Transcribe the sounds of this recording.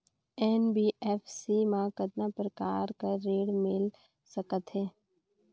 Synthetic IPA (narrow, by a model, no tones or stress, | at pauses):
ɛːnbiːɛːfʰsimãkəd̪napɾəkaːɾkəːeːɽmɪl | səkət̪ɦɛː